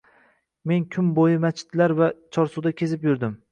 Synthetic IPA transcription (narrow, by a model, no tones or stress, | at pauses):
me̞nkʲʰʊmbojɪmat͡ʃʰːɪ̥t̪laɾvat͡ʃʰɒɾsud̪akʲʰe̞zɪpjʊɾd̪ɪm